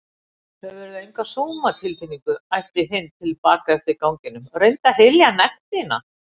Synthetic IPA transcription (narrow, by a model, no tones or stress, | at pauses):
θɛvɛːɾɪðejŋkvasoːwmat̪ʰɪlt̪ʰimiŋkʏajft̪ɪɾɦɪnt̪ʰɪlpaːkaɛft̪ɪɾkawŋcɪnːʏmrejnt̪aɦeljanɛxt̪ɪnːa̰